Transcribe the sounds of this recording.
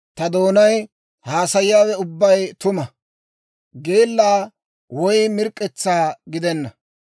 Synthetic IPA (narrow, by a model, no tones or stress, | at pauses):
t̪ɐd̪oːnɐj | haːsɐjɪjaːwɛʊbːɐjt̪ʊmɐ | ɡe̞ːlːaː | wɔjmɪɾkʼːɛt͡sːaːɡɪd̪ɛnːɐ